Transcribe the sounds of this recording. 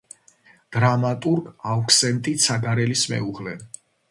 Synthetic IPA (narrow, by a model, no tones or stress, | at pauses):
d̪̥ɾamat̪ʼuɾɡaukʰsɛnt̪ʼit̪sʰaɡaɾɛlismɛ̰uʁlɛ